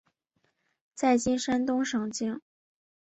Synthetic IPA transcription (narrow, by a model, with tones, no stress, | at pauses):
t͡sa˥˩ɪt͡ɕi˥nʂa˥nt̪ʊ˥ŋʂɤ˨˩ŋt͡ɕi˥ŋ